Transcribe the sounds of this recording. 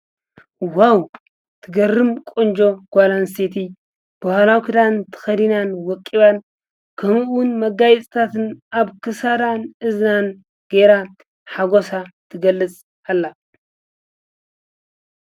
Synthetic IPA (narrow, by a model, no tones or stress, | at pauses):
waw | t̪ʰɨɡɐrːɨmkʼond͡ʒo̞ɡ̥ʷalanset̪ʰi | b̥ɐhlawkʰɨd̪ant̪ʰɨ̥xɐd̪inanwɔkʼːiβan | kʰɐmɨwʊnmɐɡajɛt͡sʼt̪ʰat̪ɨnaβkɨsaɾanɨznan | ɡ̥eɾa | ħaɡosat̪ʰɨɡɐlːɨt͡sʼ | alːa